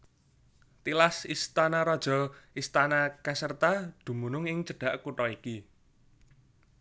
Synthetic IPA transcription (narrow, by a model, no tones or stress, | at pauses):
t̪ilasist̪anaɾɔd̥ʒ̥ɔ̤ist̪anakasərt̪ad̪̥ṳmunʊŋɪŋt͡ʃəɖ̥a̤ʔkuʈɔiki